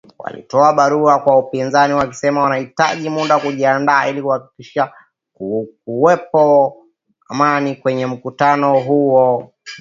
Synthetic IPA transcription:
wa̰lḭtɔaɓaɾuakwaupinzaniwaki̥sɛmawanahitaʄimuɗakuʄiandaːilikuhaki̥kiʃa | kkuwɛpɔ | amanikwɛɲɛm̩kutanɔɦuɔ

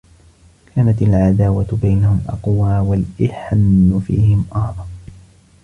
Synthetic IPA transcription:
kʰaːnat̪alʕad̪aːwabajnahʊmʔɑ̰qwaːwalʔɪħanːʊfḭːhɪmʔɑhðˤɑn

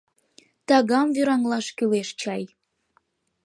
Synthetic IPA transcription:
t̪ɑɣɑmvyɾɑŋlɑʃkyleʃt͡ɕɑj

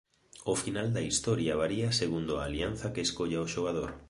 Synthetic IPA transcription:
ofinald̪ɐist̪ɔɾjaβaɾiaseɣund̪oa̰ːlian̟θɐkeːskoʎaoʃoɣ̞aðoɾ

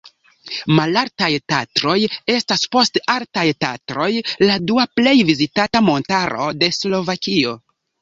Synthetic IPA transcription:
malaɾtajtatɾo̞je̞staspo̞staltajtatɾo̞jladuaple̞jvizitatamo̞ntaɾo̞̰de̞slo̞vakio̞

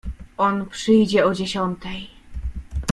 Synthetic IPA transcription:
ʔɔnpʂɘjd͡ʑɛɔd͡ʑeɕɔnt̪ɛj

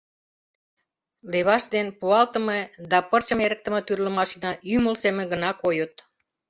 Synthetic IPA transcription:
leβɑʃd̪enpuɑlt̪ə̆med̪ɑpərt͡ɕə̆meɾə̆k̚t̪ə̆mə̆t̪yrlə̆mɑʃinɑyməlsemĕɡənɑkojət̪

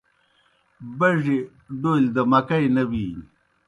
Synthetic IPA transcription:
bɐʐi | ɖold̪ɐmɐkajnɐwiː

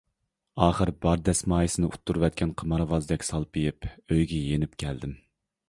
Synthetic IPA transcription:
ɑːχəɾbɑɾd̪ɛsmɑːjisɪnɪut̪ʰːuɾvɛt̪̚kʲʰɛnqʰəmɑɾvɑzɨd̪ɛkʲsɑlˠpʰijɪpøjɡʲɛjenɪp̚kʲʰɛld̪ɪm

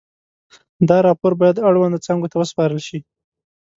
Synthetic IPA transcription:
d̪ɑɾɑpoɾbɑjad̪aɽwand̪t͡sɑŋɡot̪awəspɑɾəlʃi

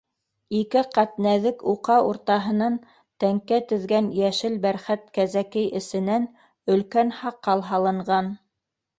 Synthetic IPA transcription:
ikɘqæt̪næðɘkuqɑuɾt̪ɑɦɤ̆nɑn | t̪æŋkæt̪ɵ̆ðɡænjæʃɘlbæɾχæt̪̚kæzækɘjʔɘ̆sɘ̆næn | ɵ̆lkænhɑqʰːɑlˠɦɑlˠɤ̆ɴɢɑn

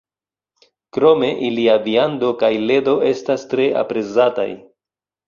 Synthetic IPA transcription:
kɾo̞me̞ʔiliaviando̞kajle̞do̞ʔe̞stastɾe̞ʔa̰pɾe̞zata̰j

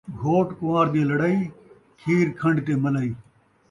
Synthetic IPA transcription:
ɡʱoːʈkʊʋaːɾd̪ẽːlɐɽaːiː | kʰiːɾkʰɐ̃ɳɖt̪eːməlaːiː

